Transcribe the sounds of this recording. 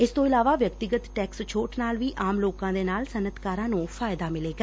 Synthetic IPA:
ɪst̪oːɪlaːʋaːʋjəkt̪ɪɡət̪ʈɛːkst͡ʃʰoːʈnaːlʋiːʔaːmloːkãːd̪eːnaːlsənət̪kaːɾãːnũːpʰaːɪd̪aːmɪleːɡa

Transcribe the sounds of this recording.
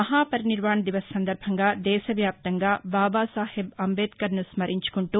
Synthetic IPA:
ɐɦaːpɐɾɐniɾʋaːɳɐd̪iʋɐsɐːɐnd̪ɐɾbʱɐŋɡɐd̪ɛːʃɐʋjaːp̚t̪ɐŋɡɐbaːbaːsaːhebɐmbeːt̪kɐɾnusmɐɾʔiɲt͡ʃu̥koɳʈu

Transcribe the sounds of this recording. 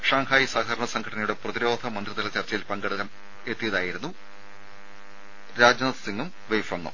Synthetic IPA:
ʂaːŋhʰaːjisaːɡ̪ʱɐɾɐɳɐsɐŋɡʰʱɐʈɐnɐjuɽe̞prɐðiɾo̞ːd̪ʱɐmɐnd̪riðɐlɐt͡ɕɐrt͡ɕɐjilpɐŋɡeɽuɣɐm | e̞t̪ːijɐðaːjiɾunːu | ɾaːd͡ʑjɐɐsiŋːum | ʋejfɐnːɐ̰

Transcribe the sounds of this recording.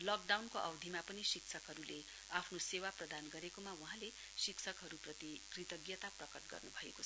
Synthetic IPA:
lʌk̚ɖawnkoʔʌwd̪ʱimapʌnisikt͡sʰʌkɦʌɾule | apʰnosewaprʌd̪anɡʌɾekomawuɦãle | siksʰʌkɦʌɾuprʌt̪ikrit̪ʌɡjʌt̪aprʌkʌʈɡʌ̰rnubʱʌekot͡sʰ

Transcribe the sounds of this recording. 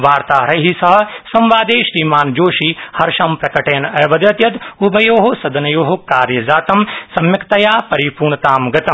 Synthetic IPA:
ʋaːɾt̪aːɾɐɦisɐɦɐsɐ̃mʋaːd̪eːʃɾiːmaːnd͡ʒoːʃihɐɾʃɐmpɾɐkɐʈeːnɐːʋɐd̪ɐt̪jɐt̪ubʱɐjoːɦosɐd̪ɐnɐjoːɦokaːɾjɐzaːt̪ɐmsɐmjɐkt̪ɐjaːpɐɾipuːɾɳt̪aːmɡɐt̪ɐm

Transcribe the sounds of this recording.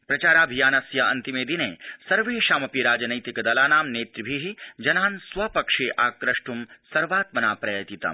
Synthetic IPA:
pɾɐt͡ʃaːɾaːbʱijaːnɐsjɐɐ̰nt̪imeːd̪ineːsɐɾʋeːʃaːmɐpiɾaːd͡ʒɐnɐjt̪ikɐd̪ɐlaːnaːmneːt̪ɾibʱiɦid͡ʒɐnaːnsʋɐpɐkʂeːʔaːkɾɐʂʈumsɐɾʋaːt̪̚mɐnaːpɾɐjɐt̪it̪ɐ̰m

